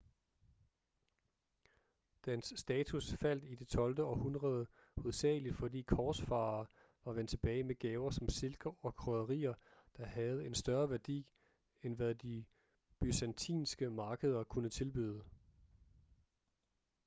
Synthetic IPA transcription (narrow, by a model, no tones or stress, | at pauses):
d̥ænsːd̥ɛːt͡sʰusfæl̰d̥id̥e̝t͡sʰɒ̽ld̥əɒ̽hunʁɐð̞ˠə | hoðˠsɛ̰ːlid̥fɒ̽d̥ḭːkʰɒːsfɑ̈ː | ʋɑ̈ʋen̰d̥t͡sʰe̝b̥ɛːɪmeɡ̥ɛːʊɐsɒ̽mse̝lɡ̥ɐɒ̽kʰʁœðˠɐʁḭːɐd̥ɑ̈hæð̞̩ˠe̝nsd̥ɶɐʋæɐd̥ḭː | enʋæðˠd̥i | b̥ysænt͡sʰḭːnsɡ̥əmɑ̈ːɡ̥əð̞ˠɐkʰunət͡sʰe̝lb̥yð̞ˠə